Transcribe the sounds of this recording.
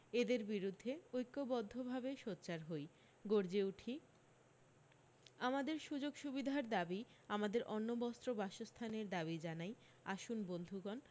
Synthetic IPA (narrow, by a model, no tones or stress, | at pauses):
ed̪eɾbiɾud̪ʱːeojkːobɔd̪ʱːobʱabeʃot̪ːɕaɾɦoj | ɡoɾd͡ʑeuʈʰi | amad̪eɾʃud͡ʑoɡʃubid̪ʱaɾd̪abi | amad̪eɾʔɔnːobɔst̪ɾobaʃost̪ʰaneɾd̪aβid͡ʑanaj | aʃunbond̪ʱuɡɔn